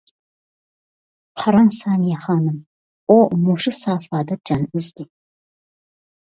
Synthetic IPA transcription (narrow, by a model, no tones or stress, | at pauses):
qʰɑɾɐnsaːnjaχɑːnɨm | omuʂɨsaːfaːdɐd͡ʒanʊzd̪iː